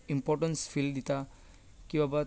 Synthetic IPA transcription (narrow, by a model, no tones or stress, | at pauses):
impɔʈənsfʰild̪it̪a | kibaba